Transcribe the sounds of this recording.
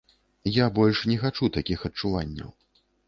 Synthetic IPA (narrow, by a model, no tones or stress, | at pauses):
jabɔlʲʂnʲɛxat͡ʂut̪akʲixɐt͡ʂuvanʲːɐ̰w